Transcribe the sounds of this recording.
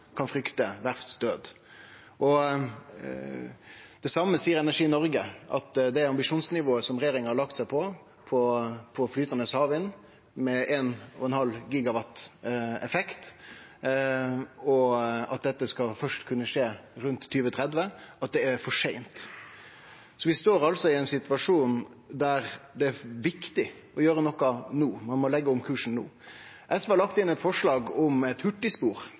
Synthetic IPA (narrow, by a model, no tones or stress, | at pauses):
kʰɑnfɾʏkt̪əʋæɾsd̪øːd̪ | ʔɔ | d̪̥ɛsɑmːəsiːəɾɛnæʂiːnɔɾɡəʔɑ̰t̪d̪ɛæɾɑmbɪʂuːnsnɪʋoːəsɔmɾɛjeːɾɪŋəhɑɾɭɑk̚t̪sæɪpʰɔ | pʰɔpʰɔflyːt̪ɑnəshɑːʋɪn | mɛʔeːnɔ̰ɛnhɑlːɡiːɡɑʋɑt̪ɛfɛkt̪ | ɔɑt̪̚d̪ɛt̪ːəskɑfœʂʈkʰʉnːəʂeːɾʉnt̪ʰːyːʋət̪ʰɾɛd̪ʋəʔɑt̪̚d̪ɛæɾfɔʂæɪnt̪ | sɔʋɪst̪oːɾɑlsɔɪæɪnsɪt̪ʋɑʂuːnd̪æɾd̪ɛæʋɪkt̪ɪ | ɔjøːɾənɔkːɑnuːmɑnmɔlɛɡːəʊmkʰʉːʂn̩nṵː | ʔɛsʋəhɑlɑkt̪ɪnːɛt̪fɔʂlɑːɡɔmɛt̪hʉʈːɪspuːɾ